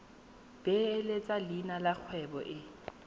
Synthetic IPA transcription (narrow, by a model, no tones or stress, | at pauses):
b̥elet͡sʼalinalak͡xʰwɛbɔ̰ʔɪ